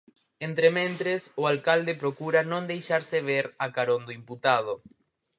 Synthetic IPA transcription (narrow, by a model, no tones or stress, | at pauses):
ent̪ɾemẽnt̪ɾesoalkald̪epɾokuɾanõnd̪ejʃaɾseβ̞eɾakaɾõnd̪oimput̪að̞o